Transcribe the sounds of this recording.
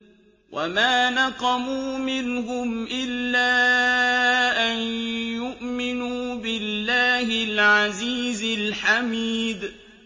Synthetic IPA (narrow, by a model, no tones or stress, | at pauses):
wʔa̰maːnɑqɑmuːmɪnɦʊmʔɪlːaː | ʔanjʊʔmɪnuːbɪlːaːhɪlʕaziːzɪlħamiːd̪